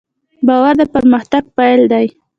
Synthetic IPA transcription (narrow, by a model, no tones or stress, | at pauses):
bɑwaɾd̪əpəɾməxt̪aɡ̚pajld̪aj